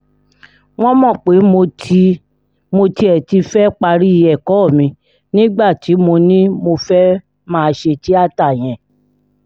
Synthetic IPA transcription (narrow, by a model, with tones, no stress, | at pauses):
w̃ɔ̃˦mɔ̃˦˨k͡pe˨˦mo˧ | mo˧ti˧ɛ˨ti˧fɛ˦k͡pa˧ɾi˦i˧ɛ˨kɔ˨˦˨mĩ˧ | nĩ˦ɡ͡ba˦˨ti˨˦mo˧nĩ˦mo˧fɛ˦ | mãː˦˧ʃe˧ti˦a˦˨ta˦˨j̃ɛ̃˨